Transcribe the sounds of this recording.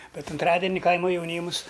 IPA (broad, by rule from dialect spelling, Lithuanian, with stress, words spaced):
ˈbʲɛt ʊnˈtrɑːdʲɛnʲɪ ˈkɐɪmɐ jɛʊˈnʲiːmʊs